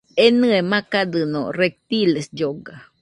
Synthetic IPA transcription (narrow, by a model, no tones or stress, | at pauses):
enɨemãkad̪ɨno̰rek̚t̪ilesd͡ʒoɡa